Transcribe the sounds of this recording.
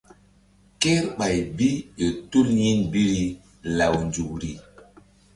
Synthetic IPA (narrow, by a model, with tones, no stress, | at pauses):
ke˦ɾɓa˨jbi˦ʄo˨tu˦lɲi˦nbi˦ɾi˦ | la˨wnd͡ʒu˨kɾi˨